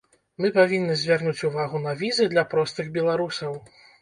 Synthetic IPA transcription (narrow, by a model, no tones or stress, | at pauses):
mɨpavʲinːɨzʲvʲarnut͡sʲuvaɣunɐvʲizɨd̪lʲɐpɾɔst̪ɨɣbʲɛlˠaɾusɐw